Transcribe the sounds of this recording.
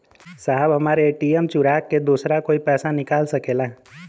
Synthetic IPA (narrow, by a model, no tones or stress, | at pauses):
saːɦəbɦɐmaːɾeeːʈiːemt͡ʃʊɾaːkːed̪uːsɾakoːipɛːsanɪkaːlsɐkeːlaɦ